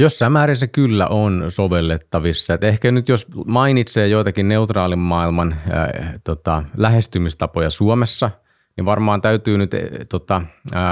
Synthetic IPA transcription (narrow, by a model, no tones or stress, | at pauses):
josːɑimæːɾesækylːæ̰ʔonsoʋelːet̪ːɑʋisːɑet̪ehkænyt̪josmɑinit̪seːjoit̪ɑkinneut̪rɑːlimːɑilmɑn̰t̪ot̪ɑlæhest̪ymist̪ɑpojɑsuomesːɑ | niʋʋɑrmɑːnt̪æyt̪yːnyt̪t̪ot̪ɑ